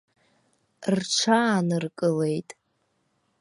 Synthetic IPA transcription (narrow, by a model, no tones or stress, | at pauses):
rʈ͡ʂʰaːnɨrkʼɨle̞jtʼ